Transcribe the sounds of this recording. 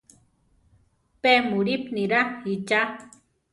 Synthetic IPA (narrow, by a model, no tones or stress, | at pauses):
pemuɾipniɾait͡ʃa